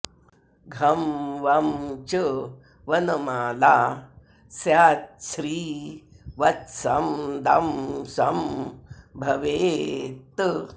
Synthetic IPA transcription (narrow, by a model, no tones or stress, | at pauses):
ɡʱɐmʋɐmt͡ʃə | ʋɐnəmaːlaː | sjaːt̪̚ʃɾiː | ʋɐt̪sɐmd̪amsɐm | bʱɐʋeːt̪